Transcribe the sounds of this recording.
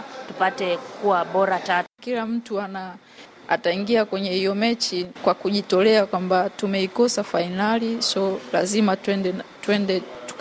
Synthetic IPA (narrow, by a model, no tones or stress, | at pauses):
tupatɛkuwaɓɔɾatakilam̩tuana | a̰taiŋɡiakwɛɲɛhijɔmɛt͡ʃikwakuʄitɔlɛakwambatumɛikɔsafainalisɔlazimaɛnɛtwɛndɛtu̥